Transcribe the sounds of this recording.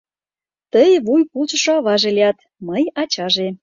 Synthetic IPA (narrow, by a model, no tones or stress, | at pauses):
t̪əjβujpult͡ɕə̆ʃoɑβɑʒeliɑt̪ | məjɑt͡ɕɑʒe